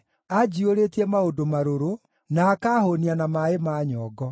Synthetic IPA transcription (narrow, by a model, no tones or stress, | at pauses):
ad͡ʒioɾetiɛmaondomaɾoɾo | naːkahonianamaemaːɲɔːɡɔ